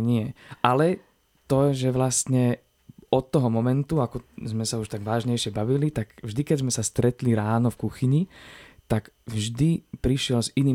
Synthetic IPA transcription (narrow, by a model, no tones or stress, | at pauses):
ɲɪɛʔalɛ | t̪ɔɛʒɛʋlast̪ɲɛ | ɔt̪ːɔɦɔmɔmɛnt̪uakɔzmɛsauʃt̪aɡʋaːʒɲɛjʃɪɛbaʋilit̪aɡvʒd̪ikɛzmɛsast̪ɾɛt̪liɾaːnɔfkuxiɲit̪aɡvʒd̪ipɾiʃɪɛlziniː